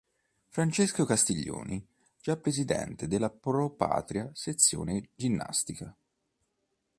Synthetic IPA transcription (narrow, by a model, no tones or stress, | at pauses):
fɾant͡ʃeskokast̪iʎːo̰ːni | d͡ʒapːɾezid̪ɛ̰nt̪ed̪elːapɾopa̰ːt̪ɾiaset̪sːjo̰ːned͡ʒinːa̰st̪ika